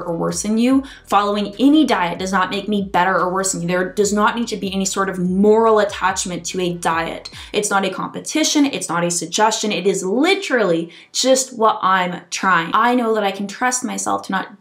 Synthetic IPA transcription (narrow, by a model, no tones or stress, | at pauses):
ʔəwɜ˞sɨ̃njʉ | fɑlˠoʊɪ̃ŋɛnidaɪɨt̚d̥ʌznət̚meɪk̚mibɛɾə˞ə˞wɜ˞snjʉðə˞dʌznət̚mitʰɨbiɛnisɔɹɾʌvmɔɹl̩ˠətʰæt͡ʃmɨ̃ntʰɨɨdaɪɨ̰ɾ | ʔɨtsnəɾɨkʰɑ̰̃mpɨtʰɪʃɨ̃nɪ̰tsnəɾɨsɨɡ̚d͡ʒɛst͡ʃɨ̃nɨɾɨzlɪɾə˞l̩ˠi | d͡ʒʌst̚wʌɾʔãɪ̃mtʰɹ̥aɪɪ̰̃ŋʔaɪnoʊðəɾaɪkʰn̩tʰɹ̥ʌst̚maɪsɛ̰lˠftʰɨnət̚